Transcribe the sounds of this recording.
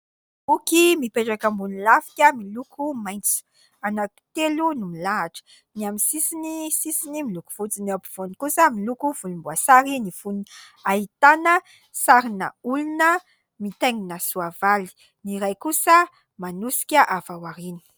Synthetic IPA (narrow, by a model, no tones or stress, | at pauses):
ukimipeʈ͡ʂakambunilafi̥kʲəmilukʰumajnt͡su̥ | anat̪i̥t̪elunumilaɦaʈ͡ʂə̥ | niamisisinisisinimiluku̥v̥ut͡sineapiv̥onikusəmilukuvulumbuasaɾinifuni | aɦit̪anə | saɾinə̰ulunə | mit̪eŋinəsuavali̥ | niɾajkusə | manusi̥kʲəʔavawaɾini̥